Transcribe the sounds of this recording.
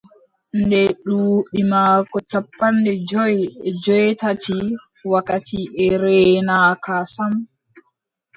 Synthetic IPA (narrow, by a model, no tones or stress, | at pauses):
ndɛɗuːɗimaːkɔt͡ʃapːandɛd͡ʒɔjɛd͡ʒɔjtati | wakatiʔɛɾɛːnakasam